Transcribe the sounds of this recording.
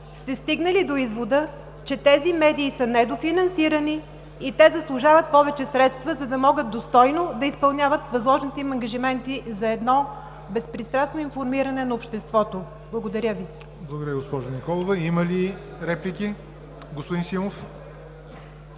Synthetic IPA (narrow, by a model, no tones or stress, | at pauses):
st̪ɛst̪iɡnəlid̪oizvod̪ə | t͡ʃɛt̪ɛzimɛd̪iːsənɛd̪ofinɐnsiɾəni | it̪ɛzɐslˠʊʒavət̪̚pɔvɛt͡ʃɛsɾɛt̪st̪vəzɐd̪ɐmɔɡət̪̚d̪ost̪ɔjnod̪ɐispɐlˠnʲavət̪vɐzlˠɔʒnit̪ɛimɐŋɡɐʒimɛnt̪izɐɛd̪nɔ | bɛspɾist̪ɾasnoinfoɾmiɾɐnɛnɐopʃt̪ɛst̪vɔt̪o | blˠɐɡod̪ɐɾʲjəvi | blˠɡod̪əɾʲjəɡospɔʒonikɔlˠovəiməli | ɾɛplikʲi | ɡospod̪insimof